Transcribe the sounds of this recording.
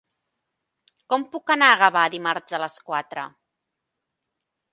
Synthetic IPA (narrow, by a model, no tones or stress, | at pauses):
kɔmpukənaːɣəβaðimaɾzðələskwat̪ɾə